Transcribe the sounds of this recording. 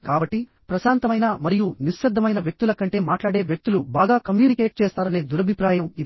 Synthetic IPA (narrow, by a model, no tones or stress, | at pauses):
kaːbɐʈːi | pɾɐʃaːnt̪ɐmɐjnamɐɾijuniʃːɐd̪ʱːɐmɐjnɐʋjek̚t̪ulɐkɐɳʈe̞ːmaːʈlaːɽe̞ːʋjek̚t̪ulubaːɡaːkɐmjuːnikeːʈ̚t͡ʃɛːst̪aːɾɐne̞ːd̪uɾɐbʱipɾaːjɐmid̪